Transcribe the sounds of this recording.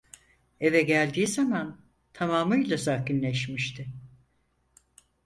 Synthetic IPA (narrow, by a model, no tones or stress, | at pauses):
e̞vɛɟælʲd̪iːzaman | t̪ʰamaːmɯjlʲˠazahkinlʲɛʃmiʃt̪ʰɪ